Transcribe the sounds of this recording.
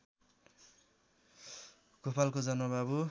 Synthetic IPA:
kopalkod͡zʌnʌbabu

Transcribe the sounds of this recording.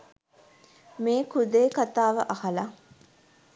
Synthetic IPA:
meːkud̪eːkat̪aːʋəʔahala

